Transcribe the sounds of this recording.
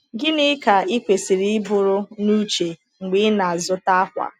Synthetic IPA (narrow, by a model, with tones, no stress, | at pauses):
ɡɪ˦nɪ˦ka˨ɪ˦kʷe˨si˨ɾi˦ɪ˦bʊ˨ɾʊ˦nu˦t͡ʃe˨ | ŋ͡m̩˨ɡ͡bɪ˦na˨a˨zʊ˦ta˦a˦kʷa̰˨